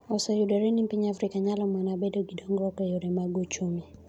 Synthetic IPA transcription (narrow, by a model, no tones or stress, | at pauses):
ɔsajudaɾɛnimpiɲafɾikaɲalɔmwɛnabɛdɔɡiɗɔŋɡɾɔkɛjɔɾɛmaɡɔt͡ʃumi